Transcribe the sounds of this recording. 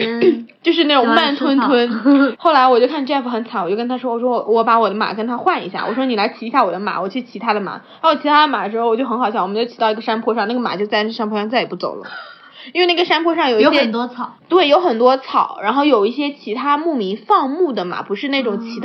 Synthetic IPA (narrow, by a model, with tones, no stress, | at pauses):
t͡ɕjo˥˧ʊʂ̬ɻ̩˥˧na˥˩ʈ͡ʂʊ˨˧ŋma˥˧˩nt̪ʰwə˥ntʰwə˥nxo˥˩ʊla˧˥ɪwɔ˨˩t͡ɕjo˥˧ʊkʰa˥˧n˥ɛ˥˧˩fu˧˥xə˧˥nt͡sʰa˨˩˦wɔ˨˩t͡ɕo˥˧˩kə˥nt̪ʰa˥ʂ̬wɔ˥ɔ˨˩ʂwɔ˥wɔ˧˩wɔ˧˥pa˧˥wɔ˨˩d̪ə˦ma̰˨˩kə˥nt̪ʰa˥xwa˥˩nḭ˧˥ɕja̰˥˩wɔ̰˨˩wɔ˥ni˨˩la˧˥ɪt͡ɕʰi˧˥˧ɕja˥˩wɔ˨˩d̪ə˦ma̰˨˩˦wɔ˨˩t͡ɕʰy˥˩t͡ɕʰi˧˥t̪ʰa˥d̪ə˨ma̰˨˩˦ | a˧˥wɔ˨˩t͡ɕʰi˧˥a˥d̪ə˧ma˨˩dəʂɻ̩˥xɔ˨˩t͡ɕjo˥˩ʊxxɑ˨˩ʊɕjɑ˥˩wɔ˨m˧˦˥t͡ɕo˥˩t͡ɕʰi˧˩t̪ʊi˧˥ɡə˩˧ʂa˥npʰwɔ˥˧ʂɑ˥˧ŋna˥˩ɡə˩ma̰˨˩t͡ɕjo˥˧ʊt͡sa˥˧ɪn˥˩ʂa˥npʰwɔ˥˧ʂɑ˥˧t͡sa˥˩ɪ˨˩pu˥˩t͡so̰˨˩ʊlə̰˦ | i˥we˥˧na˥˩ɡə˩ʂa˥npʰwɔ˥˧ʂɑ˥˩ŋjo˨˩ʊijjɛ˥˨˥nt̪wɔ˥t͡sʰɑ˨˩˦t̪we˥˩ɪjo˧˥ʊxə˨˩nt̪wɔ˥t͡sʰɑ˨˩˦ʊɻa˧˥nxo˥˩ʊjo˨˩ʊi˥˩ɕ̬jɛ˥t͡ɕʰi˧˥t̪ʰa˥mu˥˩mi˧˥ŋfɑ˥˧ŋmu˥˩d̪ə˩ma̰˨˩pu˧˥ʂɻ̩˥˧ne˥˩ʈ͡ʂʊ˨˩ŋt͡ɕʰi˧˥t̪